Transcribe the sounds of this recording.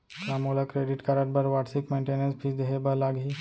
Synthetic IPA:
kamolakɾeɖiʈkaɾaʈ̚bəɾʋaʈsikmẽɳʈenənspʰiːsd̪eɦebəlaɡi

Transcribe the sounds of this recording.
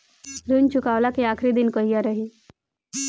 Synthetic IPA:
ɾunt͡ʃukaʋlakiakʰɾid̪inkəɦijaɾəɦi

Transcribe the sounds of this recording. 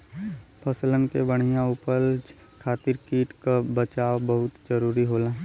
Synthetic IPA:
pʰɐslənkebəɽ̤̃ijãʊpəld͡ʒ | kʰaːt̪ɪɾkiːʈkabət͡ʃaːwbɐɦʊt̪d͡ʒəɾuːɾiɦoːlaː

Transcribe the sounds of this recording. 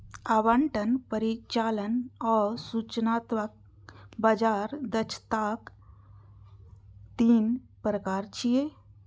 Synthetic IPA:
aʋaɳʈənpəɾit͡ʃalənɔɾsut͡ʃnat̪ʋak̚ | bad͡ʒaɾd̪ət͡ʃʰt̪ak | t̪iːn | pɾəkaɾt͡ʃije

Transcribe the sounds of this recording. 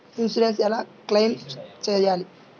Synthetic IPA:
insiɖens̬ɛlaːklejmt͡ʃɛːjaːli

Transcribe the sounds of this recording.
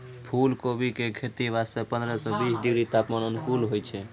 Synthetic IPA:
pʰulkobikekʰet̪iʋasepə̃nd̪ɾɛsɔ̃bisɖiɡɾit̪apmanənpʰulɦojt͡ʃʰɛ

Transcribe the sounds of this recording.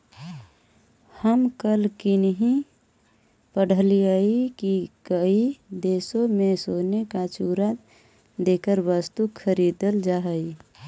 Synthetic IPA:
həmkəlkinɦi | pəɽ̤əliəikikəid̪eːsõmẽsoːnekat͡ʃuːɾa | d̪eːkəɾʋəst̪ukʰəɾid̪əld͡ʒaɦəi

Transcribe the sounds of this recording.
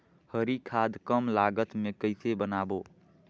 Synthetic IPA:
həɾikʰad̪kəmlaɡət̪mẽkəɪsebənaːbo

